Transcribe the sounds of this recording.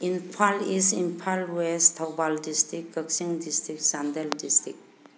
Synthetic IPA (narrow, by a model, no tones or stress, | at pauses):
inpʰalisinpʰalwestʰawbaldistɾikɡəksiŋdistɾik̚sandeldistɾik̚